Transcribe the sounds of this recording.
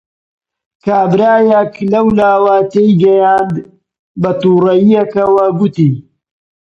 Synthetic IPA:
kaːbɾaːjɐklɐwlaːwat̪ejɡɐjaːnd̪ | bɐt̪uːrɐjijɐkɐwɐɡʊt̪iː

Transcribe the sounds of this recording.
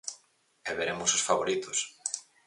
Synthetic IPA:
ɛβeɾemʊsosfaβoɾit̪os

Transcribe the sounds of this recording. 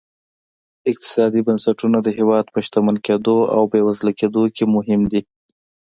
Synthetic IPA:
ɪq̚t̪ɪ̥sɑd̪ibansaʈunad̪əɦewɑd̪pəʃt̪amanked̪oa̰wbewazlaked̪okemʊɦɪmd̪i

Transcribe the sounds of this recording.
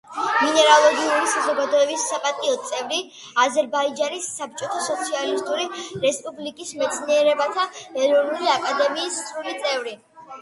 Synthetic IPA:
minɛɾalˠɔɡiuɾisazɔɡad̪ɔɛbisːapʼat̪ʼiɔt̪sʼɛvɾi | azɛɾbaid͡ʒanisːap̚t͡ʃʼɔt̪ʰasɔt̪sʰialist̪ʼuɾiɾɛspʼublikʼismɛt̪sʰniɛɾɛbat̪ʰaɛɾɔnuliakʼad̪ɛmiːsɾulit̪sʼɛvɾi

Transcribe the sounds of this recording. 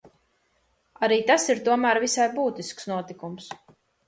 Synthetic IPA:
aɾiːt̪asiɾt̪uɔmæːɾvisajbuːt̪isksnuɔt̪ikums

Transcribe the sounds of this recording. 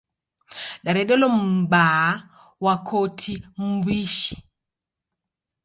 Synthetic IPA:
ɗaɾɛɗɛlɔm̩ba | wakʰotʰim̩biʃi̥

